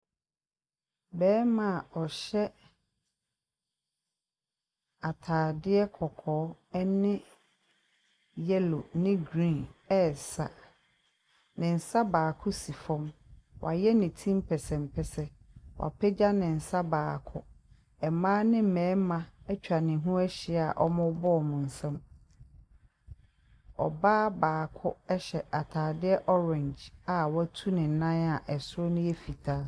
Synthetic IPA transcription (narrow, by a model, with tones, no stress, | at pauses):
bɛː˦mã˨ɔ˨ɕɛ˦ | a˨tʰaː˨dɪ˦ɛ˦kʰɔ˨kʰɔː˨˦ɛ˦nɪ̃˦ | jɛ˦lo˨nɪ̃˦ɡɾĩ˦˨ɛ˦˨sa̰˨ | nɪ̃˨n̩˨sa˦baː˨kʰʊ˦si˨fɔ̃˦mwʔa̰˨jɛ˦nɪ̃˨tʰĩ˦m˦pʰɛ˨sɛ̃˨m˨pʰɛ˨sɛ˨ | wʔa̰˨pʰɛ˦d͡ʑa˦nɪ̃˨n̩˨sa˦baː˨kʰʊ˦ | ɛ˨mãː˦nɪ̃˦m̩˨mɛ̃ː˨˦mã˨ɛ˦t͡ɕᶣa˨nɪ̃˨ɦũ˦ɛ˦ɕɪ˨˦˨a˨ʔɔ˦mʊ̃˦bɔ˦ɔ˨mʊ̃˨n̩˨sɛ̃˦m | ɔ̰˨baː˦baː˨kʰʊ˦ɛ˦ɕɛ˨ʔa˨tʰaː˨dɪ˦ɛ˦ʔɔ˦ɾɛ̃˨ɲd͡ʒa˨wɔ˦æ˦tʰu˦nɪ̃˨n̩˨nã˦na˨ʔɛ˨sʊ˦ɾo˦nʊ̃˦ɛ˦fi˨tʰa˦